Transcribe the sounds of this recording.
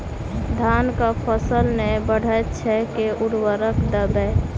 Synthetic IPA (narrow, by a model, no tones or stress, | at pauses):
d̪ʱankapʰəsəlnɛbəɽ̤ət͡ʃʰɛkeʔuɾwəɾəkd̪əbɛ